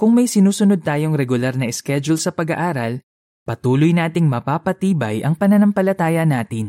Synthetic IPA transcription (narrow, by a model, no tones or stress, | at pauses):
kʊŋmɐjsɪnuːsʊno̞d̪̚t̪aːjo̞ŋɾɛɡʊlaɾnɐɛskɛd͡ʒʊlsɐpɐɡɐ̰ʔaːɾɐl | pɐt̪uːlʊjnaːt̪ɪŋmɐpaːpɐt̪iːbɐjʔɐŋpɐnɐnɐmpɐlɐt̪aːjɐnaːt̪ɪn